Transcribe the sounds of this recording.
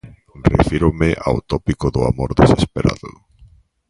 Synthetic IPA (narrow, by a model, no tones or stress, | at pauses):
rḛfiɾʊmɪʔa̰wt̪ɔpikʊðʊa̰moɾðesespeɾa̰ðʊ̰